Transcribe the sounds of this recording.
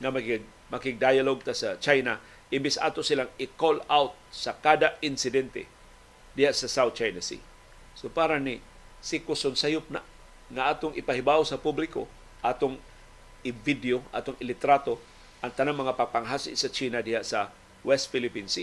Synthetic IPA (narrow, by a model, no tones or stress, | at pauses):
ŋamakiɡ | makɪɡ̚d̪ajaloɡ̚t̪asat͡ʃajna | ʔɪmbɪsʔa̰ːt̪osɪlaŋɪkolawt̪̚sakaːd̪aɪnsɪd̪ɛnt̪ɛ̰ | d̪ɪhaʔsasawt̪̚t͡ʃajnasḭ | sopaːɾanɪ | sikʊsʊnsajʊp̚na̰ʔ | ŋaʔaːt̪oŋʔɪpaɦibawsapublɪko̰ | ʔaːt̪oŋ | ɪvid̪joʔa̰ːt̪oŋɪlɪt̪ɾat̪o | ʔaŋt̪anaŋmɐŋapaɡ̚paŋɦasɪ̰ʔsat͡ʃiːnad̪ɪhaʔsa | wɛst̪̚fɪlɪpinsi